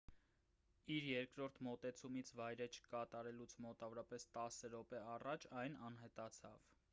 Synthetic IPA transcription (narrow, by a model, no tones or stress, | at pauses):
iɾjɛɾkɾɔɾt̪ʰmɔt̪ɛt͡sʰumit͡sʰvɑjɾɛt͡ʃʰə̥kɑt̪ɑɾɛlut͡sʰmɔt̪ɑvɔɾɑpɛst̪ɑsəɾɔpɛɑrɑt͡ʃʰɑjnɑnɦɛt̪ɑt͡sʰɑ̰v